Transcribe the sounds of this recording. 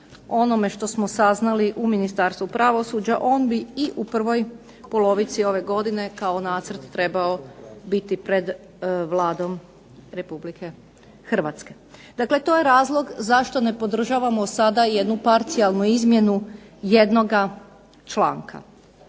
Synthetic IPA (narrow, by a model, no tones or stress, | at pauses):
o̞no̞me̞ʃt̪o̞smosaznaliʔuminist̪aɾst̪ʋupɾaʋo̞suːd͡ʒaʔo̞ːnbiiʔupr̩ʋo̞j | po̞lˠo̞ʋit̪sio̞ʋe̞ɡo̞d̪ine̞kao̞naːt̪sər̩t̪ːɾe̞baobit̪ipɾe̞d̪ | ʋlˠaːd̪o̞m | ɾe̞publike̞ | xr̩ʋat̪ske̞ | d̪̥akle̞t̪o̞jeɾaːzlˠo̞ɡzaʃt̪o̞ne̞po̞d̪r̩ʒaʋamosad̪aje̞d̪nupaɾt̪sialˠnuizmje̞nuje̞d̪no̞ɡa | t͡ʃla̰ːŋkʰa̰